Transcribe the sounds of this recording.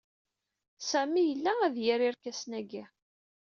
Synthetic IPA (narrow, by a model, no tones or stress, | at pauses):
sæmijəlːææðjæɾiɾkæsnæɡi